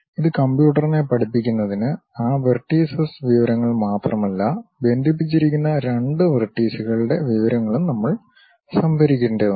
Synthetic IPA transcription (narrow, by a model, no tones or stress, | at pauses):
iðɨkɐmbjuːʈːɐrine̞pɐʈipːikʲːunːɐðinɨaːʋɐrʈːiːsɐsʋiʋɐɾɐŋːɐɭmaːt̪rɐmɐlːɐbe̞nd̪ʱip̬ːit͡ɕːiɾikʲːunːɐɾeɳɖɨʋɐrʈːiːsuɣɐɭɨɽe̞ʋiʋɐɾɐŋːɐɭumnɐmːɐɭ | sɐmbʱɐɾikʲːuɳɖɨ